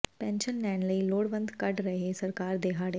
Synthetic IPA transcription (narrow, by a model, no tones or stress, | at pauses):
pɛ̃ːnʃənːɛ̃ːnləiloːɽʋə̃nd̪kɐʈɾəɦesɐɾkaːɾd̪eːɦaːɽe